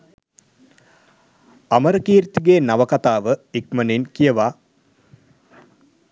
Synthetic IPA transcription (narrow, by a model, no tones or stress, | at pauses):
aməɾəkiːɾt̪iɡeːnaʋəkat̪aːʋəik̚məninkijəʋa